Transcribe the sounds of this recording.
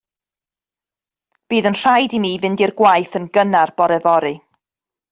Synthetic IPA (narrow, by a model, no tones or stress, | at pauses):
b̥iːðənr̥ajdimiːvɪndirɡwajθənɡənarb̥ɔɾɛvɔɾɨ